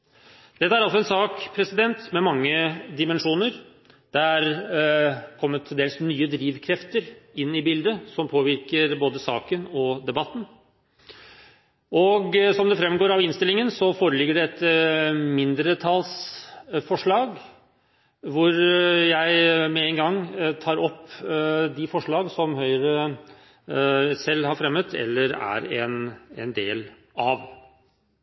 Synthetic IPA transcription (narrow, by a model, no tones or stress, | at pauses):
d̪̥ɛt̪ːəæɾɑlsɔɛnsɑːkpʰɾɛsɪd̪ɛnt̪mɛmɑŋːəd̪ɪmɛnʂuːnəɾ | d̪̥ææɾ | kʰɔmːət̪ʰːɪd̪eːlsnyːəd̪ɾiːʋkʰɾɛft̪əɾɪnːɪbɪld̪əsɔmpʰoːʋɪɾkəɾboːd̪əsɑ̰ːkənɔd̪ɛbɑt̪ːn̩ | ɔɡsɔmd̪ɛfɾɛmːɡoːɾɑʋɪnst̪ɪlɪŋənsɔfoːɾəlɪɡːəɖɛɛt̪ | mɪnd̪ɾət̪ʰɑlsfɔʂɭɑːɡ | ʋʊɾjæɪmɛɛŋɡɑŋːt̪ʰɑːɾɔp | d̪ɪfɔʂɭɑːɡsɔmɦœʏɾə | sɛlːhɑɾfɾɛmːət̪ʰɛ̰lːəɾæ̰ɾɛnɛ̰nd̪ḛːl | ɑʋ